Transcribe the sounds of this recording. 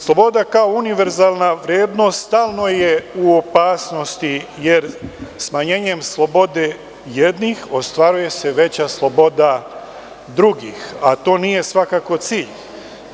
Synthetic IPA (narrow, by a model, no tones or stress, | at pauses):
slˠobo̞d̪akao̞uniʋeɾzaːlˠnaʋɾjeːd̪no̞st̪st̪aːlˠno̞je̞uopaːsno̞st̪ije̞ɾsmaɲe̞ːɲe̞mslˠo̞bo̞d̪e | jed̪nixo̞st̪ʋaɾuje̞se̞ʋe̞t͡ɕaslˠo̞bo̞d̪a | d̪ɾuɡixat̪o̞ːniːje̞sʋakako̞t̪siːʎ